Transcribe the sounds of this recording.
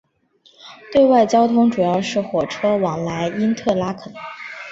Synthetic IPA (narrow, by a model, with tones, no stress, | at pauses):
t̪we˥˧ɪwa˥˩ɪt͡ɕjɑ˥ʊt̪ʰʊ˥ŋʈ͡ʂu˨˩jɑ˥˧ʊʂɻ̩˥˩xwɔ˨˩ʈ͡ʂʰɤ˥wɑ˨˩ŋla˧˥ɪi˥nt̪ʰɤ˥˩la˥kʰə˨˩n